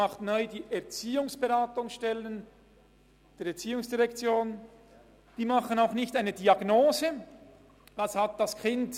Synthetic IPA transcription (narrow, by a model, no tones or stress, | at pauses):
ɑχtnɔʏdiːʔɛɐt͡siːʊŋsb̥eʁaːtʊŋsʃtɛlən | d̥eːɾɛɐt͡siːʊŋsd̥iʁɛkt͡sjoːn | d̥iːmɑχənaʊxnɪçtaɪnədiɑɡnoːzə | d̥ashat̚d̥ɑskʰɪnt